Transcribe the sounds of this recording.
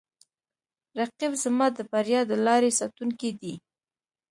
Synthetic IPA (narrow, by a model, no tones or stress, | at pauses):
ɾaqibzəmɑd̪əbaɾjɑd̪əlɑɾesɑt̪uŋkid̪i